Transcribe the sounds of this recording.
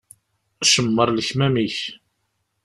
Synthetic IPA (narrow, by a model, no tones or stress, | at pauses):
æʃəmːəɾˤləçmæmiç